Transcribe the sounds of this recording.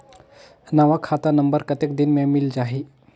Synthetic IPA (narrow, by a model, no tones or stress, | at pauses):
naʋakʰat̪anəmbəɾkət̪ek̚d̪inmemild͡ʑaɦi